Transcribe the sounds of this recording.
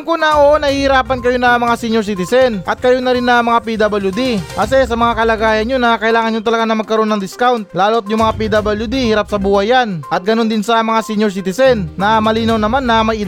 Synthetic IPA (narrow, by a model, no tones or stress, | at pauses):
ŋkʊnɐʔonɐhihɪɾaːpɐnkɐjo̞nɐmɐŋasiɲjoɾsiːt̪ɪsɛnʔɐt̪̚kɐjonɐɾɪnːɐmɐŋapid̪abɐljud̪iʔas̬ɛsɐmɐŋakɐlɐɡaːjɐnɲonɐkɐʔɪlaːŋɐnɲʊt̪ɐlɐɡanɐmɐɡ̚kɐɾo̞nɐŋd̪ɪskawnt̪̚laːlot̪̚jʊŋmɐŋapid̪abɐljud̪ihiɾap̚sɐbuːhɐjanʔɐt̪̚ɡɐno̞nd̪ɪnsɐmɐŋasiɲoɾs̬iːt̪ɪsɛnːɐmɐliːnɐwnɐmanːɐmɐjʔɪ